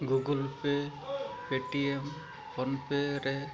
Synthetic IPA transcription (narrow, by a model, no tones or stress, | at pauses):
ɡuɡulpe | peʈiem | pʰɔnpeɾɛ